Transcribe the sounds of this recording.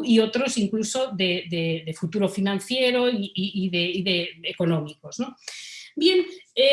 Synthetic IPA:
iot̪ɾo̞siŋkluso̞ðeðeðefut̪uɾo̞finãn̟θjeɾoiiiðeiðeeko̞nõmiko̞znobjene

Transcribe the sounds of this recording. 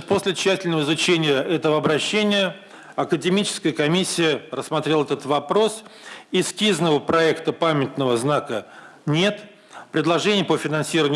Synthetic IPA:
posʲlʲɪɕːætʲɪlʲnəvəɪzʊt͡ɕenʲɪjəʔɛt̪əvəɐbɾɐɕːenʲɪjə | ɐkədʲɪmʲit͡ɕɪ̥skəjəkɐmʲisʲːɪjərəsːmɐt̪ɾʲelˠɛt̪ət̪vɐpɾo̞sɪskʲiznəvəpɾɐɛkt̪əpamʲɪt̪nəvəznakə | nʲe̞t̪ | pɾʲɪd̪lˠɐʐɛnʲɪjəpəfʲɪnɐnsʲiɾəvənʲ

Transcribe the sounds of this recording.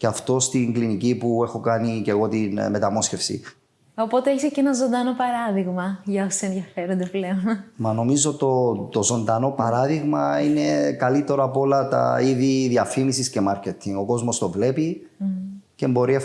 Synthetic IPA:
ceɐft̪o̞st̪iŋɡlinicipue̞xo̞kɐnice̞ɣo̞t̪inme̞t̪ɐmo̞sce̞fsḭ | opot̪eeçisecenɐzo̞nd̪ɐnopɐɾɐðiɣmɐʝɐosenðjɐfe̞ɾond̪epleonmɐno̞mizot̪ot̪ozo̞nd̪ɐno̞pɐɾɐðiɣmɐine̞kɐlit̪ːe̞ɾoɐpo̞lɐt̪ɐ̰iðiðiɐfimisisce̞mɐɾcet̪ʰːiŋɡo̞ko̞zmo̞st̪o̞vle̞pi | cembo̞ɾie

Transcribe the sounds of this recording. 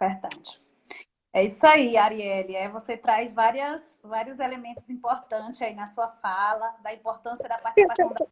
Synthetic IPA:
veɾd̪ad͡ʒɪ̥ | ɛisʊaiaɾiɛlɪɛvoset̪ɾajzvaɾiɐs | vaɾiʊzelemẽnt̪ʊzĩpoɾt̪ɐ̃t͡ʃɪzainɐsuɐfalɐd̪ɐĩpoɾt̪ɐ̃siɐd̪ɐpaɾt͡ʃissipasɐ̃w̃d̪

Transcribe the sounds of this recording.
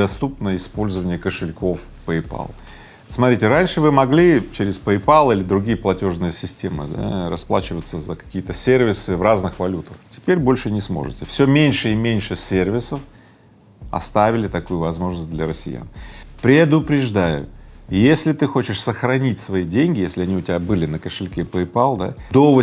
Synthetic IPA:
ɐst̪upnəɪspo̞lʲzəvənʲɪjəkəʂɨlʲko̞f | pəɪpa̰lˠ | smɐt̪ɾʲitʲɪɾanʲʂɨvɨmɐɡlʲit͡ɕeɾʲɪspəɪpalˠilʲɪd̪ɾʊɡʲijəplˠɐtʲo̞ʐnɨjəsʲɪsʲtʲemɨ̰d̪a̰ɾɐsplˠat͡ɕɪvət̪səzəkɐ̥kʲijət̪əsʲervʲɪsɨvraznɨxvɐlʲut̪əxtʲɪ̥pʲeɾʲbo̞lʲʂɨnʲɪsmo̰ʐɨ̰tʲɪfsʲomʲenʲʂɨimʲenʲʂɨsʲervʲɪsəf | ɐ̰st̪avʲɪlʲɪt̪ɐkujʊvɐzmo̞ʐnəsʲt̚ʲd̪lʲɐɾəsʲɪ̰ja̰npɾʲɪd̪ʊpɾʲɪʐd̪ajʊ̰jesʲlʲɪt̪ɨxo̞t͡ɕɪʂsəxɾɐnʲitʲsvɐidʲenʲɡʲɪjesʲlʲɪɐnʲiʊtʲɪbʲabɨlʲɪnəkəʂɨlʲkʲepəɪpalˠd̪a̰d̪ovə

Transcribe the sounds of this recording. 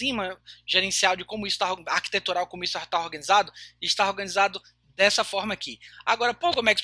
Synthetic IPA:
ĩmɐʒeɾẽsiawd͡ʒɪkõmʊisʊ̥t̪aoahki̥t̪et̪uɾawkõmʊisʊat̪aoɾɡɐ̃nizad̪ʊiʃt̪aoɾɡɐ̃nizad̪ʊ | d̪ɛsɐfɔɾmɐakia̰ɡɔɾɐpoɡomɛks

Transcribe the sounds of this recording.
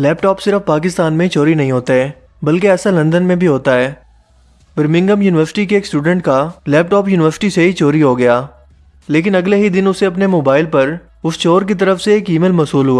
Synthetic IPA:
lɛːpʈɔːpsɪɾəfpaːk̬ɪst̪aːnmẽt͡ʃoːɾinɐɦĩɦoːt̪eɦɛː | bɐlkeɛːsalɐ̃nd̪ənmẽbʱiɦoːt̪aɦɛː | bɪɾmɪ̃ŋɡəmjuːnɪʋəɾsɪ̥ʈikeːksʈuːɖə̃ɳʈkalɛːp̚ʈɔːpjuːnɪʋəɾsɪ̥ʈiseɦit͡ʃoːɾiɦoɡɐjaː | leːk̬ɪnɐɡleɦid̪ɪnʊseɐpnemoːbaːɪlpɐɾ | ʊst͡ʃoːɾk̬it̪̬ɐɾəfseːkiːmɪlmɐsɦuːlɦuaː

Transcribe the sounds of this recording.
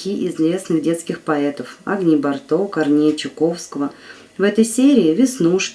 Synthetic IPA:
iʔɪzvʲe̞snɨɣdʲe̞t̪skʲɪxpɐɛt̪əfɐ̰ɡnʲɪbɐrt̪okɐrnʲejɪt͡ɕɪko̞fskəvə | vɛt̪əjsʲeɾʲɪɪvʲɪsnuʂʲ

